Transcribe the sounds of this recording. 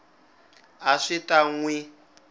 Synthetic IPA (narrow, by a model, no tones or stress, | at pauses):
aʂitaŋwi